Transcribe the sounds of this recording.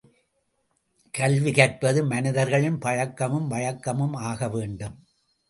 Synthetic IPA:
kɐlʋɪkɐrpɐðɯmɐnɪðɐɾɣɐɭɪnpɐɻɐkːɐmɯmʋɐɻɐkːɐmɯmaːɣɐʋeːɳɖɯm

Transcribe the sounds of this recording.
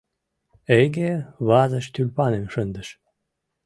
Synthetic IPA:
eɡʲeβɑzə̆ʃt̪ylʲpɑnemʃənd̪ə̆ʃ

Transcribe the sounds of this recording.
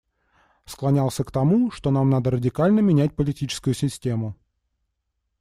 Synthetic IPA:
sklˠɐnʲalˠsʲəkt̪ɐmuʂt̪o̞namnad̪əɾədʲɪkalʲnəmʲɪnʲæt̚ʲpəlʲɪtʲit͡ɕɪ̥skʊjʊsʲɪsʲtʲemʊ

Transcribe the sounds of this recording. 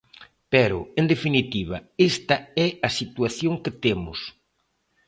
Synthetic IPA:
pɛɾʊ̰end̪efinit̪iβɐest̪ɐɛɐsit̪uaθjoŋkɪt̪emʊ̰s

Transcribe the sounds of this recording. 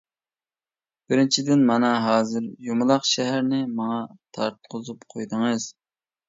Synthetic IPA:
b̥ɪɾɪnt͡ʃʰid̪ɪnmɑnɑɦɑːzɨɾjomʊlˠɑqʃɛɦæɾnɪmɑŋɑt̪ʰɑɾt̪̚qʰʊzupqʰojd̪ɨŋɨz̥

